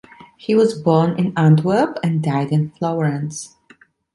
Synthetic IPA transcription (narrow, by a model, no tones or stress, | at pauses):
hiwʌzbɔnʔɪ̃næ̃ndwə˞pɨ̃ndaɪdɨ̃nflaʊɹɨ̃ns